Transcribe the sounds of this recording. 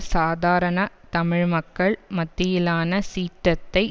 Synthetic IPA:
saːd̪aːɾɐnɐt̪ɐmɪɻmɐkːɐɭmɐt̪ːɪjɪlaːnɐsiːʈɾɐt̪ːɐɪ

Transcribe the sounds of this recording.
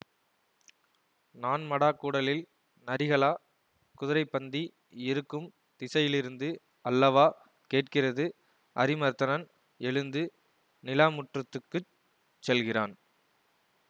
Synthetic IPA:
naːnmɐɽaːkːuːɽɐlɪl | nɐɾɪɣɐɭaː | kʊðɪɾɐɪpːɐnd̪i | ɪɾɯkːɯm | t̪ɪsɐjɪlɪɾɯnd̪ɯ | ɐlːɐʋaː | keːʈ̚kɪrɐðɯ | ɐɾɪmɐɾt̪ɐnɐn | ɛɻɯnd̪ɯ | nɪlaːmʊʈrɐt̪ːɯkːɯ | t͡ʃːɛlɣɪra̰ːn

